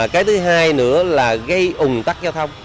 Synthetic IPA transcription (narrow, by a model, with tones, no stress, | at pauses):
kaː˨˦jt̪ʰɨ˨˦ɦaː˧jnɨ̰˧˥əlaː˨˩ɣə˧jʔʊ˨˩ŋ͡mt̪a˦˥k̚zaː˧wt̪ʰə˧wŋ͡m